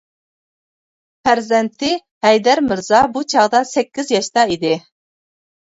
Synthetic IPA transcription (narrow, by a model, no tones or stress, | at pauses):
pʰæɾzɛnt̪ʰɪ | hɛjd̪æɾmɪɾzɑbut͡ʃʰɑʁd̪ɑsɛkʲːɪzjɑʃt̪ɑid̪ɪ